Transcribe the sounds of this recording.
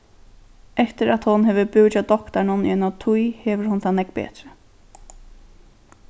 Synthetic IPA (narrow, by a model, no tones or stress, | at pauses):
ɛft̪ɪɾat̪hʊnɦɛːʋəbɪwt͡ʃad̪ɔkt̪aɳʊn̰ɛnat̪ʰujhɛːʋəɾhʊnt̪ʰanɛkbɛ̰ːt̪ɾə